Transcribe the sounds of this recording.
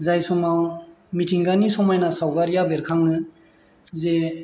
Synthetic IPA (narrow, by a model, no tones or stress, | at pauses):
zajsɔmaw | mitʰiŋɡanisɔmajnasawɡaɾjabeɾkʰaŋːɯ | ze